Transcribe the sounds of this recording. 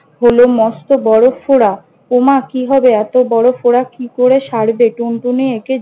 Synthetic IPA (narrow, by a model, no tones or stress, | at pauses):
ɦolomɔst̪obɔɽofoɽa | omakiɦɔbeɛt̪obɔɽofoɽakikoɾeʃaɽbeʈuɳʈunieke